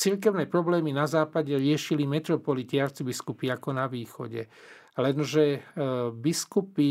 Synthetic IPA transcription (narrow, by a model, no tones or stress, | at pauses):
t͡silk̬ɛʊnɛːpɾɔblɛːminazaːpaɟɛɾɪɛʃilimɛt̪ɾɔpɔliciaɾt͡sibiskupiakɔnaʋiːxɔ̰ɟɛ̰ | lɛnʒɛ | biskupi